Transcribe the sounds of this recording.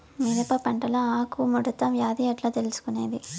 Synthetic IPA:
miɾepɐpɐɳʈɐlɐaːkuːmuɽɐt̪ːɐʋjaːd̪ijɐʈloːt̪elusu̥kune̞ːd̪i

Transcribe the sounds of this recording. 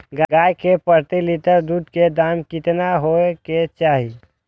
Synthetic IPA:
ɡɡaːjkepəɾt̪ilɪt̪əɾd̪uːd̪ked̪aːmkɪt̪naɦoeket͡ʃaːɦi

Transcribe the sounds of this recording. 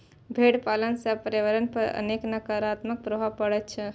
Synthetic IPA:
bʱeɽpalənsepəɾeʋəɾənpəɾə̰neknəkaɾat̪mək̚pɾoɦapəɽɛtt͡ʃʰɛ

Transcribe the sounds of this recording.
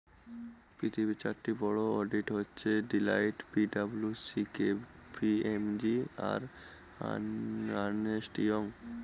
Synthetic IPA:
pɾit̪ʰibit͡ɕaɾʈibɔɽoɔɖiʈɦotːɕʰeɖilajʈpiɖabulusike | piemd͡ʑia̰ɾ | anesʈijoŋ

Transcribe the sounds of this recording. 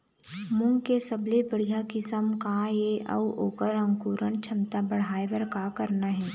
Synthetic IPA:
mʊ̃ŋɡkesəblebəɽ̤ijakɪsəmkãjeʔə̰uoːkəɾə̃ŋkuːɾəɳt͡ʃʰɐmt̪abəɽ̤aːebɐɾkakɐɾnaɦɛː

